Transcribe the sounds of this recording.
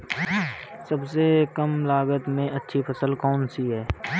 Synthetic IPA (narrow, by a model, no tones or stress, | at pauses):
sɐbsekɐmlaːɡət̪mẽʔɐtːʃʰipʰɐsəlkɔːnsiɦɛː